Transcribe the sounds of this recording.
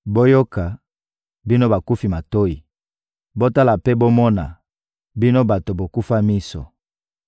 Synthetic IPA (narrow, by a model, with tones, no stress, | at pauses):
bo˦jo˦ka˨ | bi˦no˦ba˨ku˦fi˨ma˨to˦i˨ | bo˦ta˦la˨pɛ˦bo˦mɔ˦na̰˨ | bi˦no˦ba˨to˨bo˨ku˦fa˦mi˦sɔ̰˨